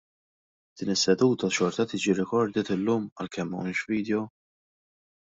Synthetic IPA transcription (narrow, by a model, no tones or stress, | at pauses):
d̪̥ɪːnɪsːɛd̪uːt̪ɐʃɔɾt̪ɐt̪iːd͡ʒiɾɪkɔɾd̪ɪt̪ɪlːuːmɐ̰lkʰɛmːɐ̰wniːʃviːd̪jɔ